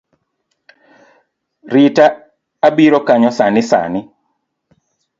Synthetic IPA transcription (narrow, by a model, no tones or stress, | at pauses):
rɪta | abiɾɔkaɲɔsanɪsa̰nɪ